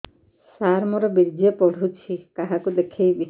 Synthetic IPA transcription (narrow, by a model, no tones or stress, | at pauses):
saɾmɔɾɔbiɾd͡ʒiepɔɽ̤ʱut͡ʃʰikaɦakud̪ekʰejbi